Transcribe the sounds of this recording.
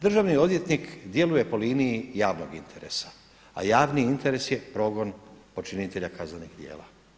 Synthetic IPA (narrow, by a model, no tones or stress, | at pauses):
d̪r̩ʒaʋnio̞d̪ʋje̞t̪nikd̪je̞luje̞po̞liːnijijaːʋnoɡint̪ʰe̞ɾe̞̰sḁ | a̰jaːʋniint̪e̞ɾe̞sje̞pɾo̞ːɡo̞npo̞t͡ʃinit̪e̞ʎakaznanixd̪je̞̰ːla̰